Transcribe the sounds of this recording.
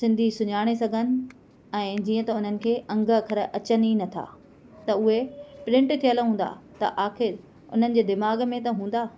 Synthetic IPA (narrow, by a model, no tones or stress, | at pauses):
sɪ̃nd̪ʱisʊɲaːɽ̃esɐɡʱənɪ̆ | ɛ̃ːd͡ʑiːə̃t̪ɐʊn̤ənɪ̆kʰeːɐ̃ŋɡə̆kʰɐɾəʔɐt͡ɕəninɐt̪ʰa̰ː | t̪ɐʊɦepɾɪ̃ɳʈt̪ʰijəlɦũːn̆d̪a̰ːt̪ɐ̰ʔaːxɪɾ | ʊ̰n̤ənɪ̆d͡ʑeːd̪ɪmaːɡmẽt̪ɐɦũːn̆d̪aː